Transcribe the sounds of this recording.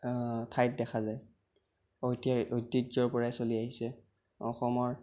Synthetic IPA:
tʰajt̚dɛkʰazaj | ojtiaʔojtːizɔɹpɔɹajsoliaɦisɛ | ɔxɔmɔɹ

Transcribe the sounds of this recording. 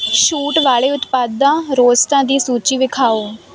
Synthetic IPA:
ʃuːʈʋaːɭeːʊt̪paːd̪ãːɾoːzt̪ãːd̪iːsuːt͡ʃiːʋɪkʰaːoː

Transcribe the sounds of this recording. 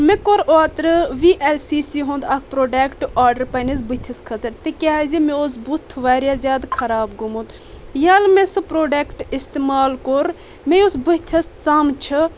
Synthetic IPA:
mẽkoɾoːt̪ɾɨʋiːʔelsiːsiɦõnd̪ɐk̚ʰpɾoːɖeːkʈaːɖəɾpɐnizbut̪ʲʰɐskʰɐt̪ɐɾt̪ekʲaːzʲimẽosbut̪ʰːʋaːɾʲjaːzʲjaːd̪kʰɐɾaːbɡumut̪ | jaːlmẽsɨpɾoːɖeːkʈist̪emaːlkoɾ | mẽjosbut̪ʰɐst͡samt͡ʃʰɨ

